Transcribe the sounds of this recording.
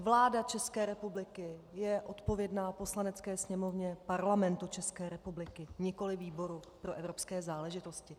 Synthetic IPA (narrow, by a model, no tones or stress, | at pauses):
vlaːdat͡ʃɛskɛːɾɛpublɪkɪjɛʔo̞t̪po̞vjɛdnaːpo̞slanɛt͡skɛːsɲɛmo̞vɲɛpaɾlamɛnt̪ut͡ʃɛskɛːɾɛpublɪkɪɲɪko̞lɪviːbo̞ɾupɾo̞ʔɛvɾo̞pskɛːzaːlɛʒɪt̪o̞scɪ